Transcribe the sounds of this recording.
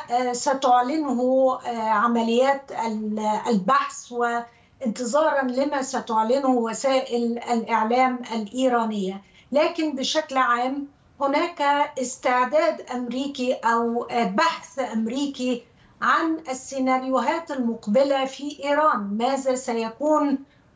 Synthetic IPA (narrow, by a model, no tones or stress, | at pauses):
sat̪ʊʕlɪnɦʊʕamalɪjːaːt̪alalbaħθwɪ | ʔɪnt̪ɨzˤɑːɾˤɑnlɪmasat̪ʊʕlɪnhʊwasaːʔɪlalʔɪʕlaːmʔalʔiːɾˤɑːnɪjːa | laːkɪnbɪʃaklʕaːm | hʊnaːkaɪst̪ɪʕd̪aːd̪ʔamɾiːkiʔawbaħθʔamɾiːki | ʕanʔɪsːɪnaɾjʊɦaːt̪almʊqbɪlafiʔiːɾˤɑːnmaːzasajakuːn